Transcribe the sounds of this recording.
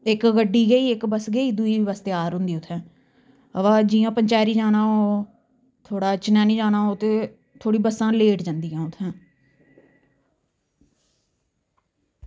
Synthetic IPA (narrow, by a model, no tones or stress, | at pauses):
ɪkɡəɖiːɡəiːɪkbəsɡəiːd̪ʊiːʋəst̪eaːɾɦʊ̃nd̪iːʊt̪ʰːɛ̃ː | əʋãːd͡ʒiːãːpəɲt͡ʃaːɾiːd͡ʒaːnaːɦoː | t̪ʰoːɽaːt͡ʃɪnɛ̃ːnĩːd͡ʒaːnaːɦoːt̪eː | t̪ʰoːɽiːbəsãːleːʈd͡ʒãːnd̪iːɦɛ̃ːʊt̪ʰːɛ̃ː